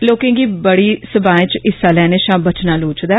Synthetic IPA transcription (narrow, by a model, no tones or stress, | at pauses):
loːkẽːɡiːbəɽiːsəbaːẽːt͡ʃɪsaːlɛːneːʃãːbət͡ʃnaːloːt͡ʃd̪aː